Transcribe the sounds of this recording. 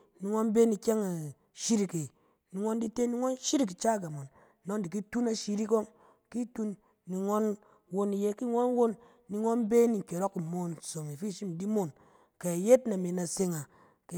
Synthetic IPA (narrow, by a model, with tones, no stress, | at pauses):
ni˨ŋo˦nbe˦ni˨kʲe˦ŋa˨ | ʃi˦ɾi˨ke˨ | ni˨ŋo˦n˦di˦te˦ni˦ŋo˦n˦ʃi˦ɾi˦k̬i˨t͡ʃa˦˨ɡa˨mo˨nː | o˦ndi˨ki˦tu˦na˨ʃi˦ɾi˦ko˦ŋ | ki˦tu˦nː | i˨ŋo˦n | wo˦ni˨je˦ki˦ŋo˦n˦wo˦nː | i˨ŋo˦n˦be˦ni˨ŋ̩˨ke˨ɾo˦kːi˨mo˨n˨so˨ŋi˨fi˦ʃi˦m˨di˦mo˦˨n | ke˨je˦tna˨me˨na˨se˦ŋa˨ | k